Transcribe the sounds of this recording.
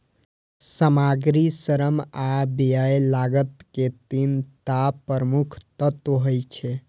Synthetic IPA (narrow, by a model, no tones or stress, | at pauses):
səmaɡɾisəɾəmabijajlaɡət̪ket̪int̪apəɾəmukʰt̪ət̪oɦəjt͡ʃʰe